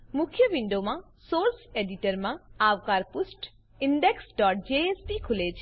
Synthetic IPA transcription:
mukʰjəʋiɳɖomã | soɾseɖiʈəɾmãawkaɾpusʈ | iɳɖeksɖɔʈ̚d͡ʒeespikʰulet͡ʃʰe

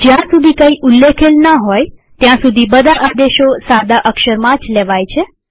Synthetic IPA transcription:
d͡ʒjãsud̪ʱikəiʔulːekʰelnəɦɔjt̪jãsud̪ʱibəd̪ʱaʔad̪eʃosad̪aʔəkʃəɾmãd͡ʒlɛʋajt͡ʃʰe

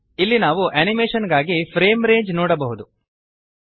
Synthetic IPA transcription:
ilːinaːʋuʔɐnimeːʂɐnɡaːɡipʰɾe̞ːmɾe̞ːɲd͡ʒnoːɽɐbɐɦud̪u

